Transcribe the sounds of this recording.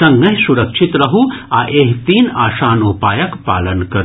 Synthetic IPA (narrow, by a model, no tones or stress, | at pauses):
ɐ̃ŋɡɐɦsuɾɐkʃʰit̪ɾɐɦuaːʔeɦt̪iːnaːʃaːnupaːjɐkpa̰ːlɐnkɐɾ